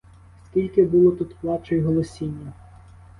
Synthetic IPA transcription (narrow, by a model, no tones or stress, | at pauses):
skʲilʲkɪbulˠɔt̪ut̪plˠɑt͡ʃɔjɦɔlˠɔsʲinʲːɐ